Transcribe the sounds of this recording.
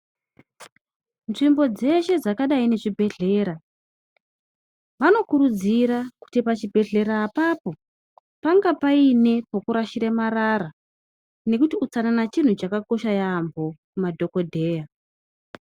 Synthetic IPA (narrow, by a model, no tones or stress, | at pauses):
nʐimbo̞d͡ze̞ʃe̞d͡zakaɗaine̞ʐibʱe̞ɮe̞ːɾa | ʋano̞kuɾud͡ziɾaku̥tipat͡ʃibʱe̞ɮe̞ɾaːpapo̞ | paŋɡapaine̞pokuɾaʃiɾemaɾaɾa | ne̞kutiut͡sananat͡ʃin̤ut͡ʃakako̞ʃajambʱo̞kumadʱo̞ko̞dʱe̞ːja